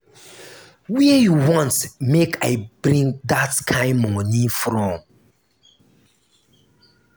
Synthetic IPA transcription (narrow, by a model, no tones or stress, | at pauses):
wɛjuwɔ̃ntmekʰaɪb̥ɾĩŋdatkʰãɪ̃nmɔ̃nifɾɔ̃m